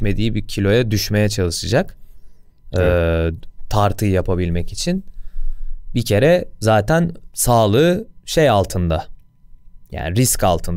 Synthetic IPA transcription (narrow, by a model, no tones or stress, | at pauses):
me̞d̪iːbicʰilʲo̞jad̪yʃme̞jɛt͡ʃʰalˠɯʃɯd͡ʒak | ɯːt̪ʰaɾt̪ʰɯjjapʰabilʲmɛcit͡ʃʰin | bicʰe̞ɾɛzaːt̪ʰænsaːlˠɯːʃejalˠt̪ʰɯnd̪a | ja̰ːniɾisca̰lˠt̪ʰɯnd̪